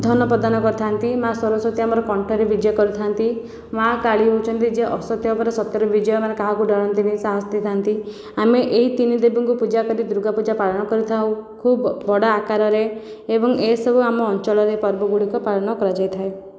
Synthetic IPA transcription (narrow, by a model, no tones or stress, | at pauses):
d̪ʱɔnɔpɾɔd̪anɔkɔɾt̪ʰaɦnt̪imasɔɾɔsɔt̪ʰiamɔɾɔkɔɳʈʰɔɾebid͡ʒjɔkɔɾit̪ʰant̪i | makaɭiɦot͡ʃʰɔnt̪id͡ʒeʔɔsɔt̪jɔɔpɔɾesɔt̪jɔɾɔbid͡ʒjɔmanekaɦakuɖɔɽ̃ɔnt̪inesaɦɔst̪it̪ʰaɦnt̪i | ameʔeɦit̪inid̪ebiŋkupud͡ʒakɔɾid̪ɾuɡapud͡ʒapaɭɔnɔkɔɾit̪ʰaũkʰubbɔɽaːkaɾɔɾe | ebɔŋesɔbuamɔːnt͡ʃɔɭɔɾepɔɾbɔɡuɽikɔpaɭɔnɔkɔɾad͡ʒajt̪ʰae